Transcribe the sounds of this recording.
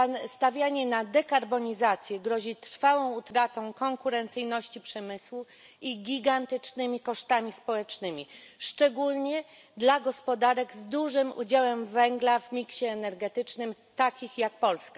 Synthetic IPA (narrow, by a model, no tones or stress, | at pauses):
ast̪avʲjaɲɛnad̪ɛkaɾbɔɲizat̪sʲjɛɡɾɔʑit̪ɾ̥fawɔ̃w̃ut̪ɾat̪ɔ̃w̃kɔŋkuɾɛnt̪sɘjnɔɕt͡ɕipʂɛmɘswu | iɡʲiɡant̪ɘt͡ʂnɘmʲikɔʂt̪amʲispɔwɛt͡ʂnɘmʲiʂt͡ʂɛɡulɲɛ | d̪laɡɔspɔd̪aɾɛɡzd̪uʐɘmṵd͡ʑawɛmvɛŋɡlavmʲikɕɛːnɛɾɡɛt̪ɘt͡ʂnɘm | t̪akʲixjak̚pɔlska